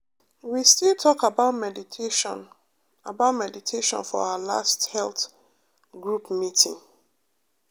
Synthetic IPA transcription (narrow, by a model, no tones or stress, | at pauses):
wistilˠtʰɔkabaʊtmɛditʰeʃn | abaʊtmɛditʰeʃɔ̰̃nfɔ̰aʊala̰sthɛlˠθ | ɡɹupmitʰĩŋ